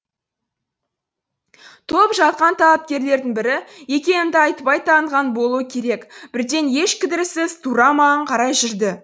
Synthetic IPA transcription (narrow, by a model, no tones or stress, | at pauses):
t̪ʰo̞pʒɑt̪̚qɑnt̪ʰɑlˠɑp̚kʲe̞ɾle̞ɾd̪ɪŋbɪɾɪje̞kʲe̞nɪnd̪ɪɑjt̪pɑjt̪ɑɴʁɑnbo̞lˠuəkʲʰe̞ɾe̞kb̥ɪɾd̪e̞nje̞ʃkʲʰɪd̪ɪɾɪsɪzt̪ʰuɾɑmɑɴqʰɑɾɑjʒʏɾd̪ɪ